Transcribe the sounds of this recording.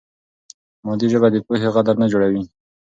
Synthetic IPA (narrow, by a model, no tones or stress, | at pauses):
mod̪iʒəbad̪əpuɦeɣad̪aɾnad͡ʒoɽawi